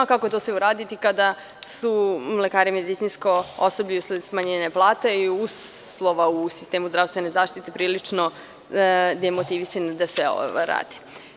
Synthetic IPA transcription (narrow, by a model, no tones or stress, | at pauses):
kakot̪osʋɛuɾaːd̪it̪ikad̪a | sulekaːɾimed̪it̪sinskoosobʎiusled̪smaɲeɲaplˠaːt̪eiuslˠo̞ʋausist̪eːmuzd̪ɾafst̪ʋene̞zaːʃt̪it̪epɾiːlit͡ʂno | d̪ajemot̪iʋisand̪asʋeo̰ɾa̰ːd̪i̥